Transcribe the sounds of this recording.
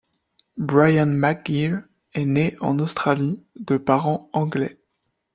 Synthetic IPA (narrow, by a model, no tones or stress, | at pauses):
bʁajanmaɡiʁ | ɛneɑ̰̃nost̪χalid̪əpaʁɑ̃ɑ̃ɡlɛ